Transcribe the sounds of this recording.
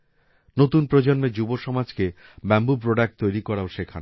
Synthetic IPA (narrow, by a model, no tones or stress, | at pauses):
not̪unpɾod͡ʑonmed͡ʑuboʃɔmad͡ʑke | bɛmbupɾoɖak̚ʈ̚t̪ojɾikɔɾaoʃekʰana